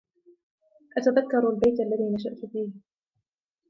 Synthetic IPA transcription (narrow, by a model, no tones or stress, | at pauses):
ʔat̪aðakːɑɾˤalbajt̪ʔalːaðiːnaʃ̬aʔt̪fiːh